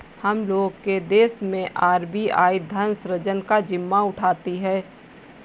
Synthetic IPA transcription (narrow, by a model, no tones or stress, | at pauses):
hɐmloːɡked̪eːsmẽʔaːɾbia̰ːid̪ʱɐnsɾəd͡ʒənkad͡ʒɪmːaʊʈʰaːt̪iɦɛː